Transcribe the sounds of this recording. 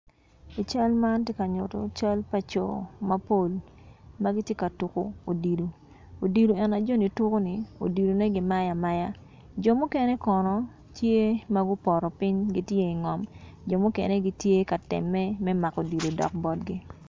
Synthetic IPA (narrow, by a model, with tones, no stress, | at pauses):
i˨t͡ʃa˦lma˦ntje˦ka˨ɲo˨to̰˨t͡ʃa˦lpa˨t͡ʃo̰˨ma˦po˦˨lma˦ɡi˦tje˦ka˨tu˨ko̰˨o˨di˨do˨ | o˨di˨do˨ɛ˨na˨d͡ʒo˦ni˨tu˦ko˦ni˨o̰˨di˨do˨nɛ˦ɡɪ˨ma˦ja˨ma˦ja˦ | d͡ʒo˨mʊ˦ke˦ne˦kɔ˨nɔ˨ | tje˦ma˦ɡʊ˦pɔ˨ɾɔ˨pɪ˦ɲɡi˦tje˦i˨ŋɔ˨md͡ʒo˨mʊ˦kḛ˨ne˦ɡi˦tje˦ka˨tɪ̰˨mːɛ˦mɛ˦ma˨ko˨di˨do˨dɔ̰˨k̚bɔ˦t̚ɡi˦